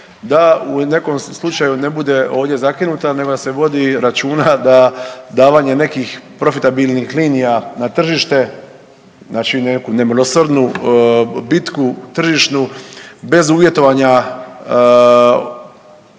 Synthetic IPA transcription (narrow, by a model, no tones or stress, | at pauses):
d̪aune̞ko̞mslˠut͡ʃajune̞bud̪e̞ʔo̞ːʋd̪je̞zakinut̪ane̞ɡod̪ase̞ʋo̞d̪iɾat͡ʃuːnad̪ad̪aːʋaɲe̞ne̞kixpɾo̞fit̪abilnixliːnijanat̪r̩ʒiʃt̪e̞ | znaːt͡ʃinekune̞mlosrd̪nu | bit̪kut̪r̩ʒiʃnube̞zuʋje̞t̪o̞ʋaɲa